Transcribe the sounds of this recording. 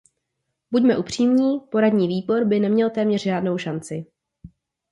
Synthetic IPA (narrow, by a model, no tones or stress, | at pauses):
buɟmɛʔupr̝̥iːmɲiːpo̞ɾadɲiːviːbo̞ɾbɪnɛmɲɛlt̪ɛːmɲɛr̥ʒaːdno̞wʃant͡sɪ